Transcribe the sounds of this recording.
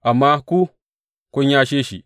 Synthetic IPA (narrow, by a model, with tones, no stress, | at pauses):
a˨mːa˦ku˦ | ko˦ɲa˦ʃe˦ʃḭ˨